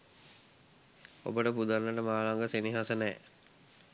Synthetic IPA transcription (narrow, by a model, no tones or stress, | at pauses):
o̰bəʈəpud̪anːəʈəmaːlaŋɡəseniɦasənɛː